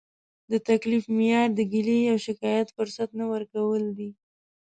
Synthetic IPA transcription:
d̪ət̪aklifmɪjɑɾd̪əɡilejawʃɪkɑjat̪fʊɾsat̪nawəɾkawəld̪i

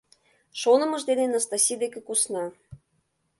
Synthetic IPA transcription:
ʃonɤ̆mɤ̆ʒd̪enenɑst̪ɑsʲid̪ekekusnɑ

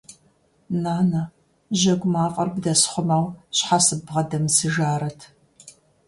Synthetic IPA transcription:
naːnɐ | ʒɐɡʷmaːfʼɐrbdɐsχʷʊmaːwɕħasɨbʁɐdɐmsɨʒaːɾɐtʰ

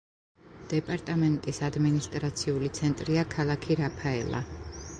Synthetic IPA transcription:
d̪̥ɛpʼaɾt̪ʼamɛnt̪ʼisad̪minist̪ʼɾat̪sʰiulit̪sʰɛnt̪ʼɾiakʰalˠakʰiɾapʰaɛ̰la̰

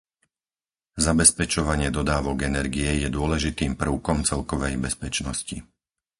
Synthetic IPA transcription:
zabɛspɛt͡ʃɔʋaɲɪɛd̪ɔd̪aːʋɔɡɛnɛɾɡijɛjɛd̪ʊɔlɛʒit̪iːmpr̩ʊkɔmt͡sɛlkɔʋɛjbɛspɛt͡ʃnɔscḭ

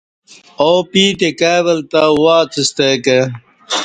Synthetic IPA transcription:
oːpiːt̪ekaːβɐlt̪awaːt͡sist̪eːke

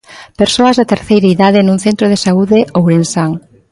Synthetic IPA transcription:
peɾsoɐzðat̪eɾθejɾaiðaðɪnũŋθent̪ɾoðesauðɪʔowɾensaŋ

